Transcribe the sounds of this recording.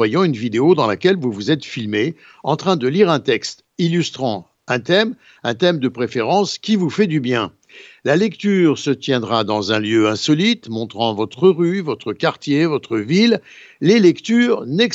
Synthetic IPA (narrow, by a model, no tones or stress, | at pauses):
wajɑ̃ynvid̪eod̪ɑ̃lakʲɛlvuvuzɛt̪filme | ɑ̃t̪χɛ̃d̪əliʁɛ̃t̪ɛkst̪ | ilyst̪χɑ̃ | ɛ̃t̪ɛm | ɛ̃t̪ɛmd̪əpχefeʁɑ̃skʲivufɛd̪ybjɛ̃ | lalɛkt̪yʁsət̪jɛ̃d̪ʁad̪ɑ̃zɛ̃ljøɛ̃sɔlit̪mɔ̃t̪χɑ̃vɔt̪χəʁyvɔt̪χəkaʁt̪jevɔt̪χəvilː | elɛkt̪yːʁnɛk